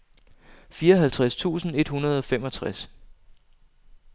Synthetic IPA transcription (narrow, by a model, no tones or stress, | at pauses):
fiːɐɦælt͡sʰʁast͡sʰṵːsn̩e̝d̥hunɐð̞̩ˠɒ̽femɒ̽t͡sʰʁas